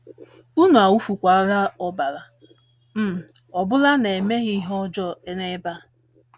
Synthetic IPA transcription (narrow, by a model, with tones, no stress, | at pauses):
u˦nu˨a˨wu˦fu˨kʷa˨˦ɾa˦ɔ˨ba˨la˨ | m̩˦˨ | ɔ˨bʊ˦la˦ne˨me˦ɣi˦ɦɔ˦d͡ʒɔ˦e˦ŋe˦ba˦